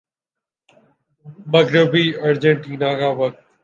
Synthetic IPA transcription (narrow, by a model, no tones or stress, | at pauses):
məɡɾɪbiːəɾd͡ʒẽɳʈiːnãːkaːʋək̚t̪